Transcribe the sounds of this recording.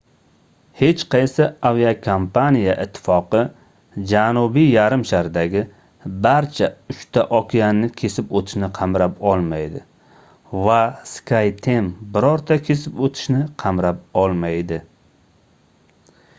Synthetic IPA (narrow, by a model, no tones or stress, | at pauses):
he̞t͡ʃqʰɑjsaaviakʰompʰanijaʔɪt̪ʰːɪ̥fɒqɨ | d͡ʒanʊbijaɾɪmʃaɾd̪aɡʲɪ | baɾt͡ʃʰaʊʃt̪ʰaʔɒkʲʰianɪkʲʰe̞sɪpot̪ʰɪ̥ʃnɪqʰɑmɾapɒlˠmajd̪ɪ | vaskʰajt̪ʰe̞mbɪɾɒɾt̪ʰakʲʰe̞sɪpot̪ʰɪ̥ʃnɪqʰɑmɾap̚ɒlˠmajd̪ɪ